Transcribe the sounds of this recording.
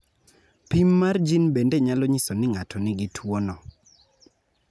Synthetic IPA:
pimːard͡ʒinbendeɲalɔɲisonɪŋatʰɔnɪɡɪtʰwonɔ

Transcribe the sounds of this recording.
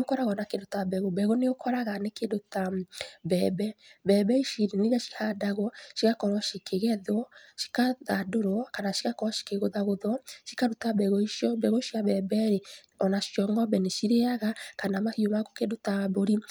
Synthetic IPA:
nokɔɾaɣɔnakedotabɛɣobɛɣoneokʰɔɾaɣanekedotabɛbɛbɛbɛiʃiɾeniɣaʃi̥hadaɣwɔʃiɣakɔɾwɔʃikeɣɛðwɔʃi̥kaðadoɾwɔkanaʃiɣakɔɾɔʃi̥keɣoðaɣoðɔʃi̥kaɾotabɛɣɔiʃjɔbɛɣoʃiaβɛbɛɾe | ɔnaʃjɔŋɡɔbɛneʃiɾeaɣakanamahiomakokedotaboɾi

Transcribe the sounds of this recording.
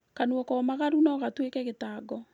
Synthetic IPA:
kanuɔkɔmaɣaɾunɔɣatwekɛɣetaːɡɔ

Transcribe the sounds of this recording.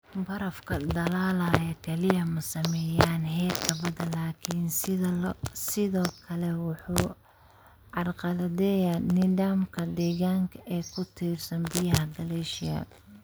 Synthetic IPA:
bɐɾɐfkʰɐd̪ɐlaːlaːjɐkʰɛlɪjɐmɐsɐmɛjaːnɦɛːkʰɐbɐðɐnlaːkʰɪn | sɪðɔːkʰɐlɛwʊħuː | ʕɑrqɑðɐðɛːjanɪðaːmkʰɐd̪ɛːɣaːŋkʰɐʔɛːkʰʊt̪ʰiːrsɐnbɪjɐɦɐd̪ɐlɛʃɪja̰

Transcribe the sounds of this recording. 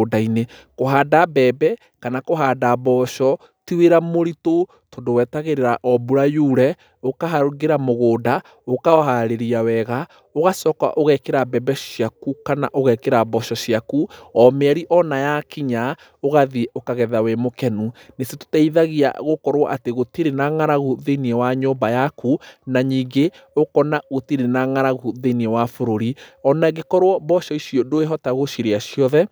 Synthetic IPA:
daine | koɦadabɛːbɛ | kanakoɦaːdaβɔʃɔ | tiweɾamoɾito | todowɛtaɣeɾeɾaʔɔbuɾajuːɾɛ | okaɦaɾoɡeɾamoɣoːda | okaɔɦaɾeɾiawɛɣa | oɣasɔːkwa̰ʔoɣɛkeɾabɛbɛʃijakukana̰ʔoɣɛkeɾabɔʃɔʃiakuɔmɛɾiʔɔnajakiɲa | oɣaðiokaɣɛðawemokɛnuneseto̥taiðaɣia̰ɣokɔɾwɔʔateɣotiɾenaŋaɾaɣuðeniɛwaɲombajakunaɲiːŋɡe | okɔnaɣotiɾenaŋaɾaɣuðeniɛwafoɾoɾiɔnaɣekɔɾwɔbɔʃɔisiodoeɦɔtaɣoʃiɾeaɕiɔðɛ

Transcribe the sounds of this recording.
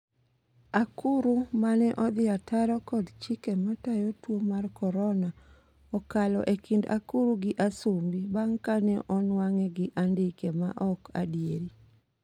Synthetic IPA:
akuɾumanɛʔɔd̪ɪatʰaɾɔkɔdt͡ʃɪkɛmatajotwomarkɔɾɔna | ɔkalɔ̰ʔekʰɪnda̰kuɾuɡɪʔasumbibaŋkanɛʔɔnwaŋɛɡɪʔandɪkema̰ʔɔka̰dijeɾi

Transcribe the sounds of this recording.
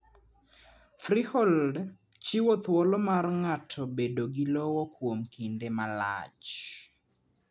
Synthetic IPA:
frihɔld | t͡ʃiwot̪wɔlɔmarŋatʰɔbedoɡilɔwɔkwomkindemala̰t͡ʃ

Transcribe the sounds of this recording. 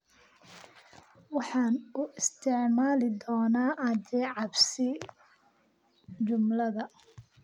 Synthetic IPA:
wɑħɑːnʊʔɪst̪ʰɪʕmaːlɪd̪ɔːnaːʔɐd͡ʒɛːʕɑbsɪ | d͡ʒʊmlɐðɐ

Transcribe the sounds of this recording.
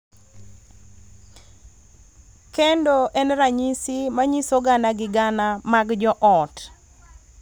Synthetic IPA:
kɛndoʔɛnɾaɲisimaɲisoɡanaɡɪɡanamaɡd͡ʒɔʔɔt

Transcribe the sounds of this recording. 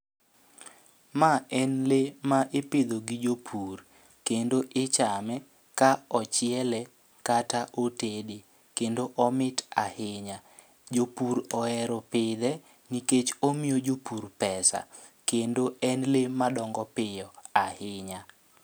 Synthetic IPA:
maɛnlemaʔeped̪oɡid͡ʒopʰur | kendoʔɪt͡ʃamɛ | kaɔt͡ʃɪɛlɛ | kataʔotede | kendoʔɔmɪtahɪɲa | d͡ʒopuɾɔɛɾɔpɪd̪ɛ | niket͡ʃomjod͡ʒopurpɛsa̰ | kendoɛnlemadɔŋɡɔpɪjɔahɪɲa

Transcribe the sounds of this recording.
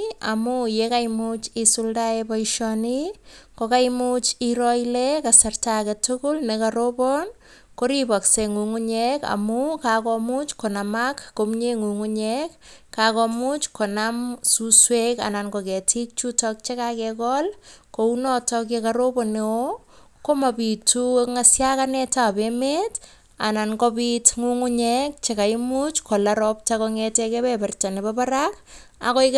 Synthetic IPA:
a̰mujekajmut͡ʃisuldaepɔiʃɔnikokajmut͡ʃiɾɔilɛkasartaketʊkʊlnekaɾobɔn | koɾibɔkseŋuŋuɲeka̰mukakɔmut͡ʃkonamakːomɲeŋuŋuɲekːakɔmut͡ʃkonamsusweka̰nankɔkɛtʰik̚t͡ʃutɔk̚t͡ʃekakɛkɔlkounɔtɔk̬jekaɾoboneo | komapituŋasjakanɛtapemet | a̰nankɔpitŋuŋuɲɛk̚t͡ʃekaimut͡ʃkʰɔlaɾɔp̚t͡ʃakɔŋetɛkɛbɛpɛrtanebapaɾak | a̰kɔik

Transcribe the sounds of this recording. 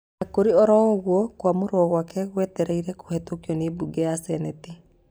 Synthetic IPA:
akoɾiɔɾɔɣwɔkwamoɾɔɣwakɛɣwɛtɛɾeiɾɛko̥hɛtokiɔnebuɡɛasɛnɛti

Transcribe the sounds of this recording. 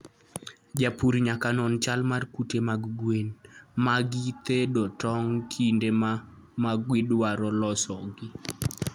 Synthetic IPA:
d͡ʒapuɾiɲakanɔnt͡ʃalmarkutemaɡɡwenmaɡit̪edɔtɔŋkʰindema | maɡwɪdwaɾɔlɔsɔɡɪ

